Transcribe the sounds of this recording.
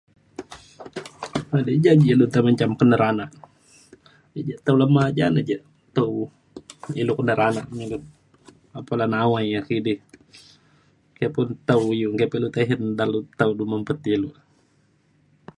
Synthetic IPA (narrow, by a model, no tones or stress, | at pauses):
adɛd͡ʒad͡ʒilut̪amaɲt͡ʃamkənəɾanaʔ | id͡ʒat̪aulamad͡ʒa̰nad͡ʒaʔ | t̪aw | ilukənəɾanaʔɲaɡət̪ | apalanawajakidɪh | kajapʊnt̪aujukajapalut̪aɦindalut̪auduməmpət̪ilu